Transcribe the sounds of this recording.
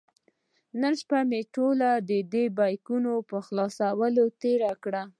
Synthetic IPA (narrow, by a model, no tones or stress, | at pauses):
nənʃpameʈolad̪əd̪ebɑjkunopəxlɑsawəlot̪eɾakɽa